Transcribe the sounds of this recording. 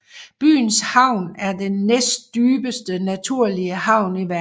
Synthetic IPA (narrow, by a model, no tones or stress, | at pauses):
b̥y̰ːnshɑ̈ʊ̰næɐd̥enːesd̥̚d̥yːb̥əsd̥ənæt͡sʰuɐ̰liəhɑ̈ʊ̰niʋæ